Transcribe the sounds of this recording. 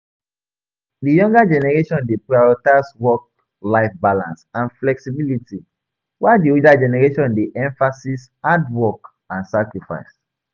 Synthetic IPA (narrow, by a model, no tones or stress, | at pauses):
dijɔ̃ŋɡad͡ʒɛnɛɹeʃɔ̃ndepɹaɔɹitaswɔk̚ | laɪfbalã̰nsãnflɛksibiliti | wadioldad͡ʒɛnɛɹeʃɔ̃ndeʔɛ̃ɱfasis | adwɔk | ãnsakɹifa̰ɪs